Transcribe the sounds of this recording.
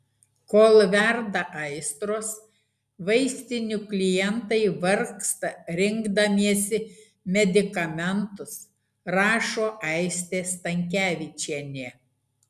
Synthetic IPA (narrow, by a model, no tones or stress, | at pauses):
koːlˠʋʲɛɾd̪ɐʔɐɪst̪ɾoːs | ʋɐɪsʲt̪ʲɪnʲʊklʲɪjɛnt̪ɐɪʋɐɾkst̪ɐɾʲɪŋɡd̪ɐmʲiɛsʲɪ | mʲɛd̪ʲɪkɐmʲɛnt̪ʊs | ɾɑːʃoːʔɛɪsʲt̪ʲeːst̪ɐŋʲkʲæːʋʲɪt͡ʃʲiɛnʲeː